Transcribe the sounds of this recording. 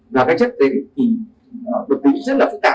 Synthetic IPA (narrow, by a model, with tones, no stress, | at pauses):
zaː˨˩kaː˨˦˥jt͡ɕə˦˥t̚ze˨˦˨t̪ʰi˨˩ | ə˨˩ɓə˨˩t̪i˨˧˦zə˦˥t̚laː˨˩fɨ˦˥k̚t̪aː˧˩